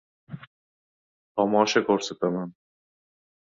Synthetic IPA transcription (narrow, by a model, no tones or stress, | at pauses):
t̪ʰɒmɒːʃakoɾsat̪aman